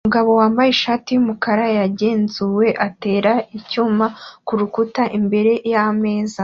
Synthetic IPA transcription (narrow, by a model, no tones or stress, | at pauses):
muɡaβo̞waːmbajeʃaːtijumukaɾajaɟe̞ːnzuwe̞ʔate̞ːɾaicuːmakuɾukutaʔimbe̞ɾe̞jame̞ːza